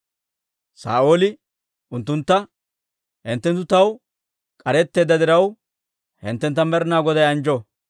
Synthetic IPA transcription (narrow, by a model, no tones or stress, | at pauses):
sa̰ːoːlɪ | ʔʊnt̪ːʊnt̪ːɐ | hɪnt̪ːɛnt̪ːʊt̪ɐw | kʼɐɾɛt̪ːe̞ːd̪ːɐd̪ɪɾɐw | hɪ̰nt̪ːɛnt̪ːɐmɛɾnaːɡɔd̪ɐjɐnd͡ʒɔ